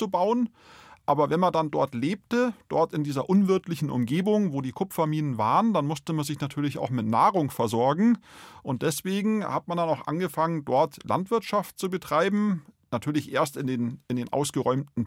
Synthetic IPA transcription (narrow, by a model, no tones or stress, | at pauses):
t͡subaʊən | ʔaːbɐvɛnmandandɔɐtleːp̚təd̥ɔɐtɪndiːzɐʔʊnvɪɐtlɪçn̩ʔʊ̰mɡeːbʊŋvoːdiːkʰʊpfɐmiːnənva̰ːʁəndanmʊstəmanzɪçnatʰyːɐlɪça̰ʊxmɪtna̰ːʁʊŋfɛɐzɔɐɡŋ̩ʔʊnt̚d̥ɛsv̥eːɡŋ̩ha̰tmandanaʊxʔa̰nɡəfaŋəndɔɐtlʔa̰ntv̥ɪɐtʃaftt͡subətʁ̥aɪbm̩natʰyːɐlɪçʔḛːɐstɪndeːnɪndeːnʔa̰ʊsɡ̥əʁɔʏmtn̩